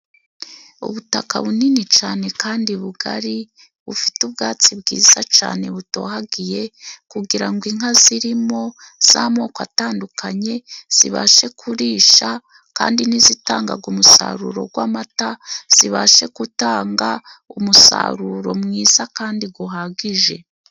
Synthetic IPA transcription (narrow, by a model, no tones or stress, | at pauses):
ṵβutaka̰βuninit͡ʃaːne̞kaːndiβuɡa̰ɾi | βufi̥tubɡaːt͡sibɡiːz̥at͡ʃa̰ːne̞βuto̞̰ɦaɡije̞kuɡiɾaŋɡwiŋaziɾimo̞ | z̥a̰mo̞koataːndukaɲe̞z̥ḭβa̰ʃe̞kʰuɾiːʃa | ka̰ːndinizitaːŋɡa̰ɡumusa̰ɾṵɾo̞̰ɡwaːmataz̥iβaʃe̞kutaːŋɡa | umusa̰ɾuɾo̰mŋiːz̥akaːndiɡuɦaɡiʒe̞